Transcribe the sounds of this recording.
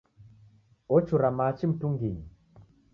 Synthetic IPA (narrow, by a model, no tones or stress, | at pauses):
ɔt͡ʃuɾamat͡ʃim̩tuŋɡiɲi